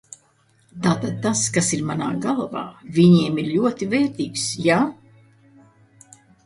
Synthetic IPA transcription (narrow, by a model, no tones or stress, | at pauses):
t̪aːt̪ad̪̚t̪askasiɾmana̰ːɡalˠva̰ːvʲiɲiɛmiɾʎuɔt̪ivɛːɾt̪iːksjaː